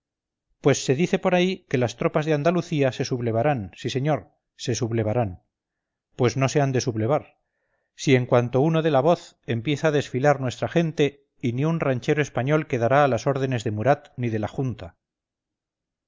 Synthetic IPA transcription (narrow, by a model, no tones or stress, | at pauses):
pwe̞sːe̞ðiθe̞po̞ɾaike̞last̪ɾo̞pazðe̞and̪aluθiase̞suβle̞β̞aɾansise̞ɲo̞ɾ | se̞suβle̞β̞aɾan | pwe̞zno̞se̞and̪e̞suβle̞β̞aɾ | sie̞ŋkwant̪o̞uno̞ðe̞laβo̞θ | e̞mpje̞θaːðe̞sfilaɾnwe̞st̪ɾaχe̞nt̪e̞ | iniunraɲt͡ʃe̞ɾo̞e̞spaɲo̞lke̞ðaɾaːlaso̞ɾð̞e̞ne̞zðe̞muɾat̪niðe̞laxunt̪a